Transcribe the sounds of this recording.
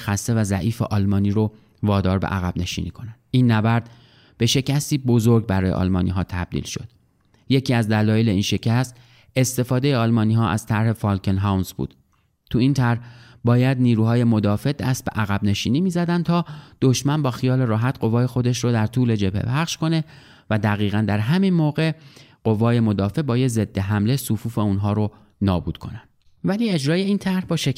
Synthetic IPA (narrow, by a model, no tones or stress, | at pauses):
xæst̪e̞væzæ̰ʔiːfeʔɒlmɒːniːɾo | vɒːd̪ɒːɾbḛʔæɣæb̥ne̞ʃḭːniːkʰo̞nænd̪̥iːnːæbæɾd̪̥ | b̥e̞ʃe̞cʰæst̪iːbo̞zo̞ɾɡbæɾɒːjḛʔɒ̰lmɒːnḭɦɒːt̪ʰæb̚d̪ḭlʃo̞̰d̪̥ | je̞cʰiːæzd̪ælɒːjele̞iːnʃe̞cʰæst̪ | e̞st̪e̞fɒːd̪e̞jeɒːlmɒːniːɦɒːʔæ̰z̥t̪ʰæɾhe̞fɒːlkʰenɦawnzbṵːd̪̥ | t̪ʰuint̪ʰæɾhbɒːjæd̪niːɾuːɦɒːje̞mo̞d̪ɒːfe̞d̪æ̰st̪̚bḛʔæɣæbne̞ʃiːniːmiːzæd̪ænd̪t̪ʰɒːd̪̥oʃmænbɒːxijɒːle̞ɾɒːɦæt̪ɢo̞vɒːje̞xo̞d̪eʃɾod̪æɾt̪ʰuːle̞d͡ʒe̞bhḛpʰæχʃkʰo̞ne̞ | væd̪æɣiːɣænd̪æɾɦæminmoːɣe̞ɢ̥o̞vɒːje̞mo̞d̪ɒːfe̞bɒːjeze̞d̪ːe̞ɦæmlesufuːfe̞uːnɦɒːɾo | nɒːbṵːd̪̥̚kʰo̞̰nænd̪̥ | væliːe̞d͡ʒɾɒːje̞iːnt̪ʰæɾhbɒːʃe